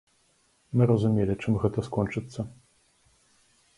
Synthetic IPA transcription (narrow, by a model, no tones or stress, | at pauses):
mɨɾɐzumʲelʲit͡ʂɨmɣɛt̪ɐskɔnt͡ʂɨt̪sːɐ